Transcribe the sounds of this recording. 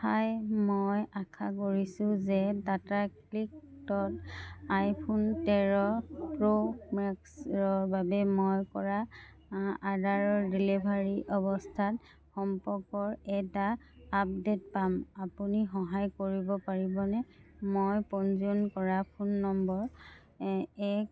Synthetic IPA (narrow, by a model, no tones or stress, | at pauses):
tʰajmɔjakʰakoɹisʊ̃zɛdatakliktɔtajpʰuntɛɹɔpɹomɛksɹɔɹbabɛmɔjkɔɹa | adaɹɔdilebʱaɹiʔɔβɔstʰat | xɔmpɔkɔɹɛta | ap̚det̚pamapunixɔɦajkoɹibɔpaɹibɔnɛmojpɔnzɔnkɔɹapʰunːɔmbɔɹ | ɛk